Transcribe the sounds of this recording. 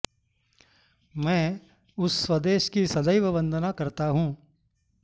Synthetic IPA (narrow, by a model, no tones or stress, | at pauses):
mɛ̃ː | ʊsːwɐd̪eːʃkisɐd̪əjʋəbə̃nd̪ʱənakɐɾt̪aɦũː